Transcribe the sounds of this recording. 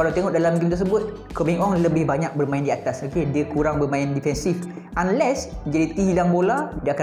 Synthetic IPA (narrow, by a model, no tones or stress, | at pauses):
kalawt̪eŋɔʔdalamɡint̪ərsəbʊt̪̚ | komiŋɔŋləbɪhbaɲãk̚bərmãɪndiat̪asakediakuɾaŋbərmãɪndifɛnsif | ʔanlɛsd͡ʒadit̪iɦilaŋboladiaaka